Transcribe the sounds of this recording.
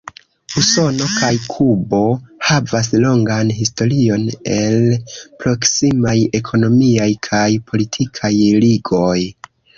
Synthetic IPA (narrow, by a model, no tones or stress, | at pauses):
uso̞no̞kajkʰubo̞havas̬lo̞ŋɡanɦisto̞ɾio̞ne̞lpɾo̞ksimaje̞kʰo̞no̞miajkʰajpʰo̞litʰikʰajliɡo̞j